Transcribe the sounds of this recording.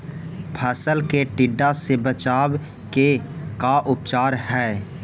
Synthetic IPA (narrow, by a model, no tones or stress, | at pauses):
pʰəːsəlkeʈɪɖːasebət͡ʃaːw | kekaʔʊp̚t͡ʃaːɾhɛː